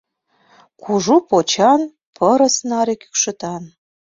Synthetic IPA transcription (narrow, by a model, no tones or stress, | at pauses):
kʰuʒupot͡ɕɑn | pʰəɾə̆snɑɾeky̥kʃə̆t̪ɑn